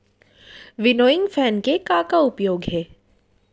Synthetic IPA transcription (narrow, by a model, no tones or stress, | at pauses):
ʋɪnoːɪ̃ŋɡfʰɛːnkekãːkaʊpjoːɡɦɛː